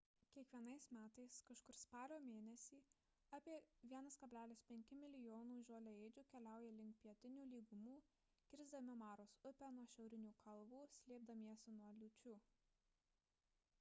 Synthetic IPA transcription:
kʲiɛkʋʲiɛnɐɪsmʲæːt̪ɐɪskɐʃkʊɾspɑːlʲoːmʲeːnʲɛsʲiː | ɑːpʲiɛʋʲiɛnɐskɐbʲlʲæːlʲɪspʲɛŋʲkʲɪmʲɪlʲɪjoːnuːʒʲoːlʲɛɛːd͡ʒʲuːkʲɛlʲæˑʊjɛlʲɪŋk̚pʲiɛt̪ʲɪnʲuːlʲiːɡʊmuː | kʲɪɾʲzd̪ɐmʲɪmɑːɾoːsʊpʲɛnuɔʃʲɛʊɾʲɪnʲuːkʰɐlˠʋuːsʲlʲeːb̚d̪ɐmʲiɛsʲʊnuɔlʲʊt͡ʃʲuː

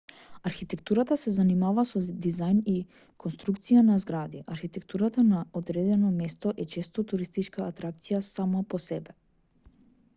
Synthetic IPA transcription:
aɾxit̪ɛkt̪uɾat̪asɛzanimavasɔd̪izajni | kʰɔnst̪ɾukt̪sijanazɡɾad̪iʔaɾxit̪ɛkt̪uɾat̪anaod̪ɾɛd̪ɛnɔmɛst̪ɔʔɛt͡ʃɛst̪ɔt̪uɾist̪it͡ʃkaːt̪ɾak̚t̪sijasamapɔsɛbɛ

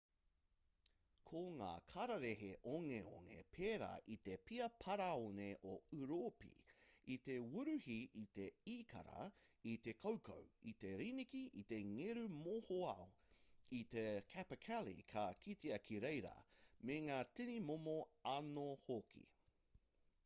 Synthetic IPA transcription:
kʰoŋa̰ːkʰɐɾɐɾeɦeʔoŋeo̰ŋḛpʰeːɾa̰ːʔit̪epiɐpʰɐɾaoneʔoʉɾopḭit̪ewuɾʉhiit̪eiːkʰɐ̰ɾɐ̰it̪ekʰowkʰo̰wit̪eɾinikiʔḭt̪eŋeɾʉmohoɐoit̪ekʰæpɐkʰælḭkʰɐkʰit̪iɐkʰiɾejɾɐ̰meŋaːtinimomoɐnohokʰḭ

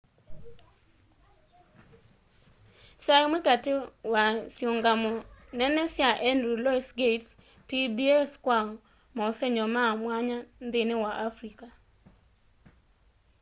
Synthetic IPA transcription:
saemwekatɪwasjoŋɡamɔnɛnɛsjaʔɛndɾulɔisɡet | pibiɛskwaɔ | maosɛɲɔmamwaɲand̪enewaʔafɾika

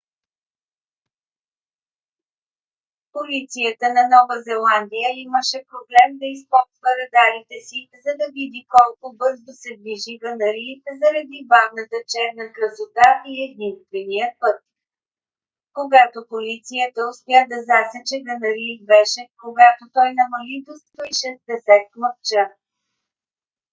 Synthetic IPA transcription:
polit̪sijət̪ənɐnɔvəzɛlˠand̪ijəiməʃɛpɾoblɛmd̪ɐispɔt̪vəɾɐd̪aɾit̪ɛsizɐd̪ɐvid̪ikɔlˠkʊbɤɾzosɛd̪viʒiɡənɐɾit̪zɐɾɐd̪ibavnət̪ət͡ʃɛɾnəkɾəzot̪aʔiɛd̪inst̪vɛnijəpɤt̪̚ | koɡat̪opolit̪sijət̪əʊspɛjad̪ɐzasɛt͡ʃɛɡənɐɾibɛʃɛkoɡat̪ot̪ɔjnɐmɐlid̪ostoiʃɛzd̪ɛsɛt̪̚mɐft͡ʃə

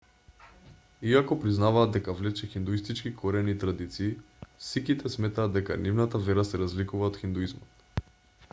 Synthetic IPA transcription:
iakɔpɾiznavaːd̪ɛkavlɛt͡ʃɛxind̪uist̪it͡ʃkikʰoɾɛniːt̪ɾad̪it̪siː | sikit̪ɛsmɛt̪aːd̪ːɛkanivnat̪avɛɾasɛɾazlikuvaot̪xind̪uizmɔt̪

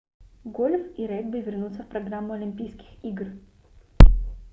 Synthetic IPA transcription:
ɡolʲfiɾɛɡ̚bɨvʲɪrnut̪səfpɾɐɡɾamːʊɐlʲɪmʲpʲijskʲɪ̥xiɡr

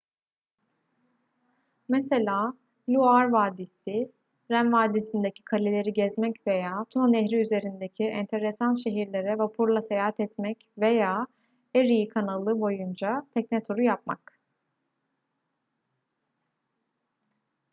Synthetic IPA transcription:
mese̞lʲaː | lʲuaɾvaːd̪isɪ | ɾænvaːd̪isind̪ecʰi̥kʰalʲelʲe̞ɾiɟɛzmɛcve̞jaːt̪ʰunanɛɦɾiyze̞ɾind̪ecʰiɛnt̪ʰe̞ɾesanʃe̞ɦiɾlʲe̞ɾɛvapʰuɾlˠasejaːɦat̪ɛt̪mɛcve̞jaː | eɾijkʰanalˠɯbo̞jund͡ʒat̪ʰɛcnɛt̪ʰoɾujap̚ma̰k

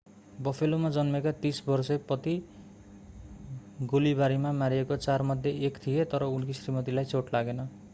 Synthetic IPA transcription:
bʌpʰelomad͡zʌnmekat̪isbʌrsepʌt̪i | ɡolibaɾimamaɾiekot͡sarmʌd̪ʱjeʔekt̪ʰijet̪ʌɾʌunkʰisrimʌt̪ilajt͡sʰoʈlaɡenʌ

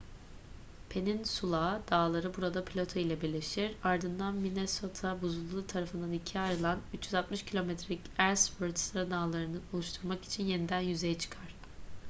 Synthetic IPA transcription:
pʰe̞ninsulˠad̪̥aːlˠaɾɯbuɾad̪apʰilʲo̞t̪ʰailʲˠɛbiɾlʲe̞ʃiɾaɾd̪ɯnd̪anmineso̞t̪ʰabuzulˠːut̪ʰaɾafɯnd̪anicʰiajɾɯlˠanyt͡ʃjyzat̪mɯʃcʰilʲo̞met̪ʰɾelʲicæɾsføɾd̪st̪ɾad̪aːlˠaɾɯnɯo̞lˠuʃt̪ʰuɾmaki̥t͡ʃʰinje̞nid̪ænjyze̞jɛt͡ʃʰɯ̥kʰaɾ̥

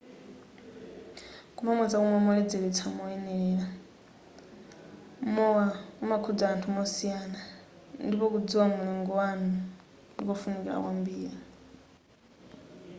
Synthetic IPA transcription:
kumamad͡zakɔmamɔlɛd͡zɛɾɛt͡sʰamɔɛnɛɺɛːɺa | mɔwaumakʰud͡zaantʰumɔsijana | ndipɔkud͡ziwamulɛŋɡɔwanu | ndikɔfunikila̰kwambiːɾi

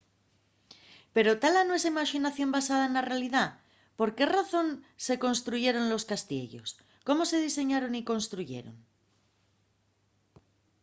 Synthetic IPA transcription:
pe̞ɾo̞t̪alanowe̞saimaʃinaθjo̞mbasaðaenlarealiða | po̞ɾke̞raθo̞nse̞ko̞nst̪ɾuʝe̞ɾo̞nlo̞skast̪je̞̰ʝo̞̰s | ko̞mo̞se̞ð̞ise̞ɲaɾo̞niko̞nst̪ɾuʝe̞̰ɾo̞̰ŋ

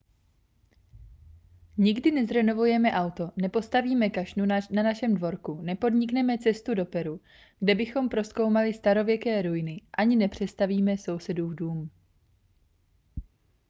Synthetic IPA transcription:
ɲɪɡdɪnɛzɾɛno̞vujɛmɛʔawt̪o̞nɛpo̞st̪aviːmɛkaʃnunanaʃɛmdvo̞ɾkunɛpo̞dɲɪknɛmɛt͡sɛst̪udo̞pɛɾu | ɡ̥dɛbɪxo̞mpɾo̞sko̞wmalɪst̪aɾo̞vjɛkɛːɾujɪnɪʔaɲɪnɛpr̝̥ɛst̪aviːmɛso̞wsɛduːvduːm

